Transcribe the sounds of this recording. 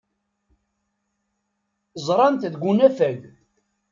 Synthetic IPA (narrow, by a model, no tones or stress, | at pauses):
zˤɾˤɑnt̪ðɡʷunæfæɡ